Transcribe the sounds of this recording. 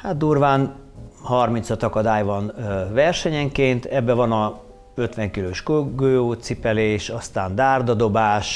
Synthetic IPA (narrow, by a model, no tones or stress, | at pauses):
hat̪̚d̪uːrvaːnhɒrmint̪sɒt̪ɒkɒd̪aːjvɒnvɛrʃɛɲɛŋkeːnt̪ʰɛbːɛvɒnɒ | ø̞t̪ʋɛŋkiløːʃkøɡøːjoːt̪sipɛleːʃɒst̪aːnd̪aːrd̪ɒd̪o̞baːʃ